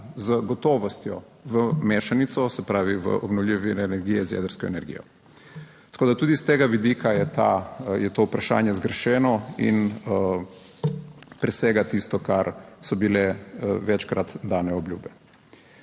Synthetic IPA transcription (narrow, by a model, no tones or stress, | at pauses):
zəɡɔt̪oːʋɔst̪jɔ̰ | ʋəmeːʃanit̪sɔsɛpɾaːʋiʋə̰ʔɔbnɔwlʲiʋinɛnɛɾɡijɛzjɛ̰d̪əɾskɔɛ̰nɛɾɡḭːjɔ̰ | t̪ḁkoːd̪at̪uːd̪ist̪eːɡaʋid̪ikʰajɛt̪ajɛt̪oːupɾaʃa̰ːnjɛzɡɾʃɛːnɔḭn | pɾɛsɛɡat̪ist̪ɔkaɾsɔbilɛʋɛt͡ʃkɾat̪d̪aːnɛɔbljṵːbɛ